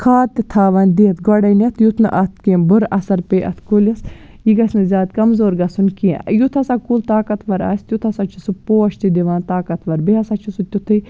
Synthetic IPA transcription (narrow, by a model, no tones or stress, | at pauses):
kʰaːt̪it̪ʰaːʋɐnʲd̪iːɐt̪ɡɔɽɐnʲɐt̪ʰjut̪ʰnɨ̰ʔɐt̪̚ʰkibʊɾɐsɐɾpeːʔɐ̰t̪ʰkulʲɐs | jiɡɐsʲnɨzʲaːt̪kɐmzoːɾɡɐsunkiɛ̰̃jut̪ʰɐsɐkult̪aːkɐt̪ʰʋɐɾɐ̰sʲt̪ʲjut̪ʰɐsɐt͡ʃʰusupoːɐʃt̪id̪iʋaːnt̪aːkɐt̪ʰʋɐɾbeɦɐsɐt͡ʃʰisut̪ʲut̪ʰɨ